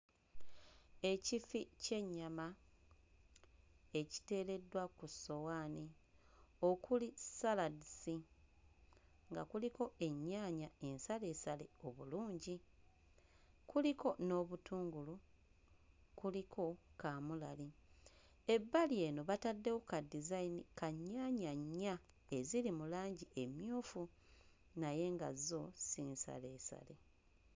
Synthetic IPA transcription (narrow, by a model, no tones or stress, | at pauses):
e̞cifice̞ɲːama | e̞ci̥te̞ːle̞dwakuso̞waːni | o̞kulisaladisi | ŋɡakuliko̞e̞ɲːaːɲae̞nsale̞sale̞o̞βuluːɲɟi | kuliko̞no̞ːβutuːŋɡulu | kulikʰo̞kamulali | e̞bːalie̞ːno̞βatadːe̞wokadizainikaɲːaːɲaɲːa | e̞zilimulaːɲɟiʔe̞mjoːfu | naje̞ŋɡa̰zo̞siːnsa̰le̞ːsa̰le̞